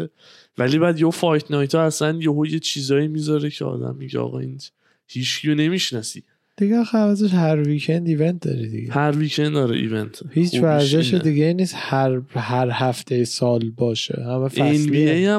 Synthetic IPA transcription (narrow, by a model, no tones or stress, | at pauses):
vælibæd̪jeofɒjt̪ʰnɒjt̪ʰɒæsænjeɦojet͡ʃʰiːzɒːimiːzɒɾecʰeɒ̰ːd̪æ̰mːiɟḛɒ̰ɣɒ̰iːn | hiːt͡ʃcʰijone̞miʃnɒsi | d̪̥iɡexævæt̪ʰeʃhæɾvicʰend̪iːvent̪̚d̪ɒ̰ɾid̪iɡehæɾvicʰend̪ːɒːɾḛʔḭvent̪ʰhiːt͡ʃvæɾzeʃed̪iɡeiniːshæɾhæɾhæft̪ʰejesɒːlbɒːʃḛhæmefæesnbiejæ